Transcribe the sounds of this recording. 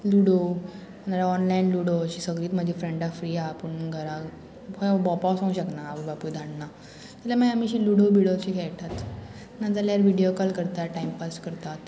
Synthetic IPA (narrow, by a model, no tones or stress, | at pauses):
luɽo | ənaɾaɔnlainluɽoəɕiːsəɡɾiːt̪m̤əd͡ʑʱifɾeɳɖafɾiːapəɳɡʱəɾa | fəbɔpawsɔ̃ŋɕəknaːʋəbapujd̪ʱaɳna | t̪ilaməamiɕiluɽobiɽoɕikʰɛɭʈat̪ | nad͡zaljaɾʋiɽijokalkəɾt̪aʈaimpaskəɾt̪at̪